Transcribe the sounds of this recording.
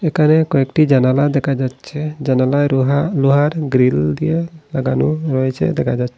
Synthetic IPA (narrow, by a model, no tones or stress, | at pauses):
ɛkanɛkɔɛkʈid͡ʒanalad̪ɛkʰad͡ʒatt͡ʃʰɛd͡ʒanalajɦaluɦaɾɡɾild̪ijelaɡanuɾɔjt͡ʃʰɛ̰d̪ɛkʰad͡ʒatʰ